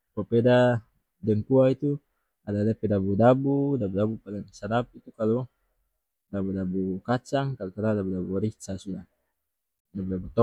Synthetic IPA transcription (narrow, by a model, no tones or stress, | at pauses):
papɛda | dɛŋpuait̪u | adadapɛdabudabudabudabupalɛŋsadap̚it̪ukalɔ | dabudabukat͡ʃaŋkaluk̪anadabudabuɾisasuda | dabudabut̪ɔ